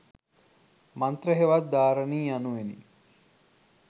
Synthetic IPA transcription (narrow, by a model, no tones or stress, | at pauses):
mant̪rəɦeʋat̪̚d̪aːɾəniːjanuʋenḭ